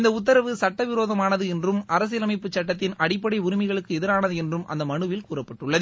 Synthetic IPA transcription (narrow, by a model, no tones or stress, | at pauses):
nd̪ɐʊt̪ːɐɾɐʋɯsɐʈːɐʋɪɾoːðɐmaːnɐðɯɛndrɯmɐɾɐs̬ɪjɐlɐmɪpːɯt͡ʃːɐʈːɐt̪ːɪnɐɽɪpːɐɽɐɪʊɾɪmɐɪɣɐɭɯkːɯɛðɪɾaːnɐðɯɛndrɯmʔɐ̰nd̪ɐmɐɳɯʋɪlkuːrɐpːɐʈːɯɭːɐð